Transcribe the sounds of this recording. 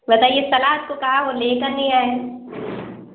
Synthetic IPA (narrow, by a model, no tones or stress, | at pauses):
ʋɐt̪aːjesɐlaːɦət̪̚kokaɦaɦoleːkɐɾnĩaːe